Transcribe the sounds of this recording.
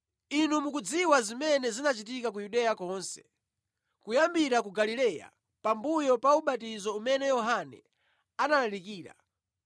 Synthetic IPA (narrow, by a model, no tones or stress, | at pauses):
inumukud͡ziwazimɛnɛzinat͡ʃitikak̬ujuɗɛjakɔːnsɛ̥̰ | kujambiɾak̬uɡalilɛːja̰ | pambujɔpauɓatizɔumɛnɛjɔɦanɛ̰ | analalikiːɾa̰